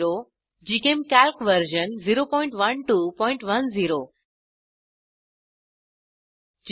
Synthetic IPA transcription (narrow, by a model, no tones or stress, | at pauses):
ɾo | d͡ʑiːkẽːmkɛːlkʋəɾd͡ʒənziːɾopɔːɪ̃ɳʈʋənʈuːpɔ̃ːɪ̃ɳʈʋɐnziːɾoː | d͡ʑ